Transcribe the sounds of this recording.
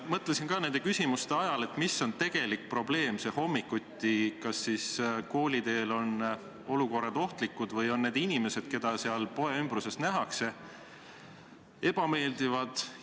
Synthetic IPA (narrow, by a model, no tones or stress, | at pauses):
mɤt̪ˑlesinkɑːne̞nd̪̥e̞kysʲimust̪e̞ɑjɑle̞t̪ˑmiso̞nt̪e̞ɡ̥e̞lik̚pro̞ble̞ːmse̞ho̞mːikːut̪ʲːikɑsːisko̞ːlʲid̪e̞ːlo̞n | o̞luko̞rːɑd̪o̞ht̪likːˑud̪̥vɤjo̞nːe̞ːd̪̥inʲime̞se̞d̪̥ke̞d̪̥ɑseɑlpo̞eymb̥ɾuse̞st̪næɦɑkse̞ | e̞b̥ɑme̞ːld̪̥ivɑd̪̥